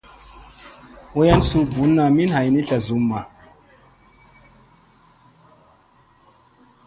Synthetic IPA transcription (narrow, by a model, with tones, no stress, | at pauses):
wo˦ja˦nsu˨bu˨˦nːa˨mi˦nha˨jni˦ɬa˨zu˨˦mːa˨